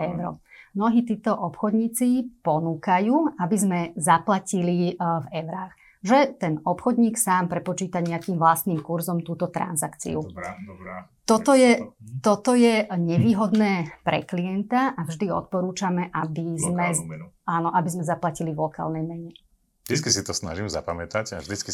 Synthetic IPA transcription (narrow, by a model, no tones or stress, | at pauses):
ɛʊɾɔ̰mnɔɦiːt̪iːt̪ɔʔɔpxɔd̪ɲiːt͡sipɔnuːkajuːabizmɛzaplacilivɛʊɾaːɣ | ʒɛt̪ɛnɔpxɔd̪ɲiːksaːmpɾɛpɔt͡ʃiːt̪aɲɛakiːmvlast̪niːmkuɾzɔmt̪uːt̪ɔt̪ɾa̰nzakt͡sḭu | t̪ɔt̪ɔjɛt̪ɔt̪ɔjɛɲɛʋiːɦɔd̪nɛːpɾɛ̰kliɛnt̪aʔavʒd̪iɔ̰t̪̚pɔɾuːt͡ʃamɛʔabizmɛ | aːnɔʔabizmɛzaplaciliʋlɔka̰ːlnɛjmɛɲɛ | ʒd̪it͡skisit̪ɔsna̰ʒimza̰pamɛt̪aca̰vʒd̪it͡ski